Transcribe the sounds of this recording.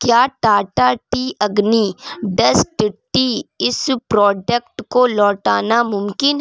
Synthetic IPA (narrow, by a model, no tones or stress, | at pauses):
kjaːʈaːʈaʈiːʔɐɡniːɖɐsʈɪʈːiɪspɾɔːɖək̚ʈkolɔːʈaːnamʊmkɪn